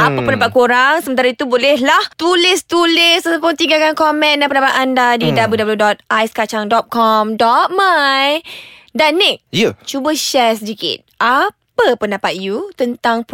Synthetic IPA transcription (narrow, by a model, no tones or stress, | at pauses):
ʔapəpəndapat̪̚koɾaŋsəmənt̪aɾait̪ubolɛɦlaht̪ulɪst̪ulɪsəsəpʊt̪iŋɡakankɔmɛ̃ndapəndapat̪andadidabəludabəljudɔt̪̚ajskat͡ʃaŋdɔt̪̚kɔmdɔt̪̚majdanːeʔjət͡ʃubəʃɛsədikɪ̰t̪̚ʔapəpəndapat̪̚jut̪ənt̪aŋp